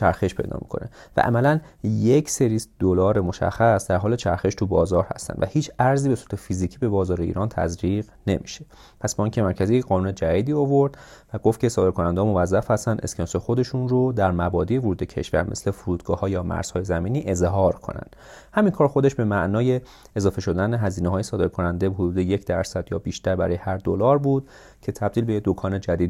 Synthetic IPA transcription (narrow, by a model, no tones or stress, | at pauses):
t͡ʃʰæɾxeʃpʰejd̪ɒ̰ːmḭkʰo̞̰ne̞̰væ̰ʔæ̰mælænjecʰse̞ɾiːsd̪̥olɒːɾemoʃæ̰xːæsd̪æɾɦɒːle̞t͡ʃʰæɾxeʃt̪ʰubɒːzɒːɾhæ̰st̪æ̰nvæ̰hiːt͡ʃʰæɾzibe̞su̥t̪ʰefiziːcʰiːbe̞bɒːzɒːɾeḭːɾɒːnt̪ʰæ̰zɾiːʁ | ne̞̰miʃe | pʰæsbɒiŋcʰʲe̞mæɾkcʰæziːjecɢɒːnuːne̞d͡ʒæɾiːd̪iːovoɾd̪̥ | væɡoft̪cʰe̞sɒːd̪ekʰo̞nænd̪emo̞væzːæfhæst̪ænd̪eskʰensexo̞d̪e̞ʃunrod̪æɾmæbɒːd̪iːjevoɾuːd̪ecʰḛʃvæ̰ɾme̞sle̞fuɾuːd̪ɡɒːhɒːjɒːmæ̰ɾz̥hɒːjezæmiːniːʔe̞zɦɒːɾkʰo̰næ̰nd̪̥ | hæmiŋkʰɒːɾxo̞d̪e̞ʃbe̞mæʔnɒːje̞ː | zɒːfe̞ʃo̞d̪æneɦæziːneɦɒːjesɒːd̪e̞ɾkʰo̞nænd̪eɦod̪uːd̪e̞jecʰd̪æɾsæd̪jɒ̰ːbiːʃt̪æɾbæɾɒːjehæɾd̪olɒːɾbuːd̪̥̚ | cʰe̞t̪ʰæb̚d̪iːlbejed̪okʰɒːne̞d͡ʒæd̪iːd̪